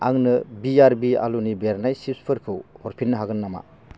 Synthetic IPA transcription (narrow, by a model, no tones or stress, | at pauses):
aŋnɯbiaɾbia̰lunibeɾnajsipspʰɯɾkʰɯwhɔɾpʰinːɯɦaɡɯnːama̰